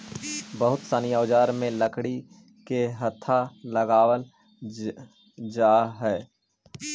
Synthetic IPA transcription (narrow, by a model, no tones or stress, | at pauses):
bəɦʊt̪saːnijaːʋd͡ʒaːɾmẽləkɽi | keɦɐt̪ʰːaləɡaːwəl | d͡ʒaːɦɛː